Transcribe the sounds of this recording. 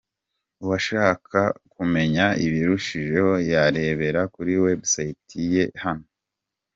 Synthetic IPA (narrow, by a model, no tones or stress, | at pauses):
uwaʃaːkʰakume̞ɲaiβiɾuʃiʒe̞ho̞jaɾe̞βe̞ɾakuɾiwebsajitʰije̞hano